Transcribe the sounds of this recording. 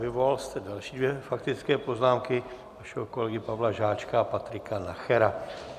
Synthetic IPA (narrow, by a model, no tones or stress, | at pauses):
vɪvolalst̪ɛdalʃiːdvjɛfakt̪ɪt͡skɛːpoznaːmkɪ | aʃɛɦoko̞lɛɡɪpavlaʒaːt͡ʃkaːpat̪ɾɪkanaxɛɾa